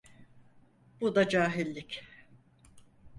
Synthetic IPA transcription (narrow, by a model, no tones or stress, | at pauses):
bud̪ad͡ʒaːɦilʲːic